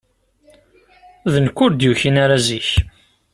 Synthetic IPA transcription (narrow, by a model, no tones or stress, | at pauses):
ðənkʷːʊɾd̪juçinaɾaziç